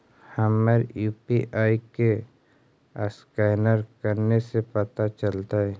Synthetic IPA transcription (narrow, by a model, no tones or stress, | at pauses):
həməɾjuːpiʔaːike | ə̰skɛːnəɾkəɾnesepɐt̪at͡ʃəlt̪aɦɛː